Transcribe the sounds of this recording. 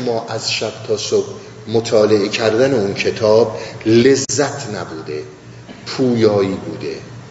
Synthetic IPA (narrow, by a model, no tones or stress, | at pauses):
mːɒːʔæzʃæb̥̚t̪ʰɒːsob̥ | mot̪ʰɒːle̞ecʰæɾd̪æneuncʰe̞t̪ʰɒːble̞zːæt̪ʰnæbuːd̪e | pʰuːjɒːiːbuːd̪ḛ